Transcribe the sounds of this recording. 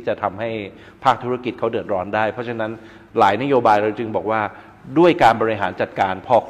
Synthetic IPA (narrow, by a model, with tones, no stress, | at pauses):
i˥˩t͡ɕa˨˩t̪ʰa˧mha˥˩j | pʰaː˥˩k̚t̪ʰu˦˥ɾa˥˩ki˨˩t̪̚kʰa˦˥wdɯ˨˩ət̪̚ɾɔː˦˥ndaː˥˩jpʰɾɔ˦˥t͡ɕʰa˧˥na˦˥n | laː˩˦jna˦˥joː˧baː˧jɾa˧wt͡ɕɯ˧ŋbɔː˨˩k̚waː˥˩ | du˥˩əjkaː˧nbɔː˧ɾi˧ɦaː˩˦nt͡ɕa˨˩t̪̚kaː˧npʰɔː˥˩kʰ